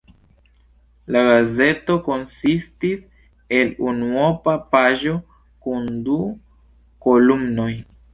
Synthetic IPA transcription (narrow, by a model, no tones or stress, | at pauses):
laɡaze̞to̞ko̞nsistis | e̞lunuopapaʒo̞ | kundu | kolumno̞j